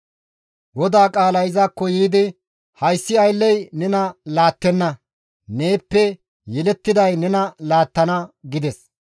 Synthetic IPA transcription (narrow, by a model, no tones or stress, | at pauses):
wɔd̪aːkʼaːlɐjɪzaːkːɔjiːd̪ɪ | hɐjsːɪɐjlːɛjnɛnɐlaːt̪ːɛnːɐ | ne̞ːpːɛ | jɛlɛt̪ːɪd̪ɐjnɛnɐlaːt̪ːɐnɐɡɪd̪ɛs